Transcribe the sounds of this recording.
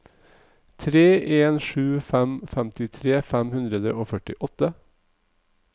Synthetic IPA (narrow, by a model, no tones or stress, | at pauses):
t̪ʰɾeːʔeːnʃʉːfæmfæmt̪ɪt̪ʰɾeːfæmhʉnd̪ɾəd̪əoːfœʈɪʔɔt̪ə